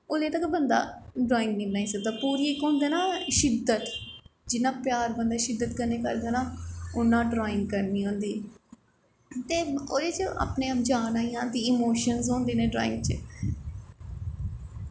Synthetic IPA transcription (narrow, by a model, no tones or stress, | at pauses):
ʊleːt̪əkbənd̪a̰ːɖɾaːɪ̃ŋɡnĩːbənaːiːsəɡ̚d̪aːpuːɾiːkõːnd̪eːnaːʃɪd̪ət̪d͡ʒɪnãːpjaːɾbənd̪aːʃɪd̪ːət̪kəɾneːkəɾd̪aːnaːʊnːãːɖɾaːɪŋkəɾniːɦõːnd̪iː | t̪eːoːeːt͡ʃəa̰ːpnẽːəpd͡ʒaːnaːĩːãːd̪iːɪmoːʃənzõːnd̪eːnẽːɖɾa̰ːɪ̰̃ŋɡt͡ʃə̰